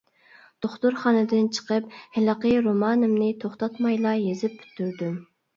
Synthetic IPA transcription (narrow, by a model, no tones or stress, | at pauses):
d̪̥oχt̪uɾχɑnɨd̪ɪnt͡ʃʰə̥qəp̚hɪləqəjɾomɑːnɨmnɨt̪ʰoχt̪ɑt̪mɑjlˠɑjezɪp̚ːʰy̥t̪ʰːyɾd̪ym